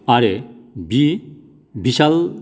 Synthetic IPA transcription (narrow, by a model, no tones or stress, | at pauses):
aɾebi | biʃal